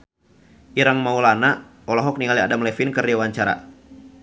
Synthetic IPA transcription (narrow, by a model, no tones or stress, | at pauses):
ʔiɾaŋmaulana | ɔlɔɦɔk̚niŋaliadamlɛfinkɨrdiawaɲt͡ʃaɾa̰